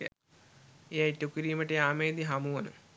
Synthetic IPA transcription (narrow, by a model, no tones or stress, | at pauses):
ejaiʈukiɾiːməʈejaːmeːd̪iɦamuʋɐnə̰